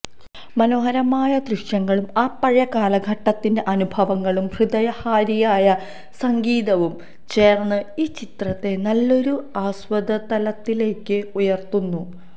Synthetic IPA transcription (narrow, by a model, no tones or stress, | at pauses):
mɐno̞ːɦɐɾɐmaːjɐd̪rɨʂjɐŋːɐɭumaːpɐɻɐkaːlɐɡʱɐʈːɐt̪ːinde̞ʔɐnubʱɐʋɐŋːɐɭumhrɨd̪ɐjɐhaːɾijaːjɐ | sɐŋɡiːd̪ɐʋum | t͡ɕe̞ːrnːɨiːt͡ɕit̪rɐt̪ːe̞nɐlːo̞ɾuaːsʋɐd̪ɐt̪ɐlɐt̪ːile̞ːkːɨujɐrt̪unːu